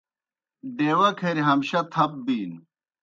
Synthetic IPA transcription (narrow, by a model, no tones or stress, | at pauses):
ɖeːwɐkʰɐɾiɦɐmɕɐt̪ʰɐp̚biːn